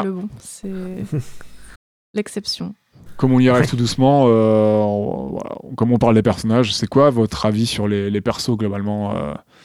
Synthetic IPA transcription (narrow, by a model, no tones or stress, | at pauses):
ləbɔ̃sɛ | lɛksɛpsjɔ̃ | kɔmɔ̃liaʁɛvt̪ud̪usmɑ̃ø̰ | va̰la̰kɔmɔ̃paʁld̪epɛʁsɔnaʒsɛkwavɔt̪χavisyʁlelepɛʁsoɡlɔbalmɑ̃ø̰